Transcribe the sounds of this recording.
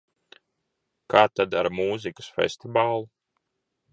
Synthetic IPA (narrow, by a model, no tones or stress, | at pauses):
kaːt̪ad̪aɾmuːzikɨ̥sfḛsʲt̪ivaːlˠu